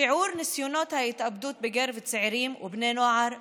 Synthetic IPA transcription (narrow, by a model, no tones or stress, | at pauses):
ɪʕuːɾnɪsjuːnɑːt̪hæjɪt̪ʔabd̪uːt̪̚bɪɡæɾvɪt̪sɪʕɾiːmwɪbnæːnwaʕɑɾˤ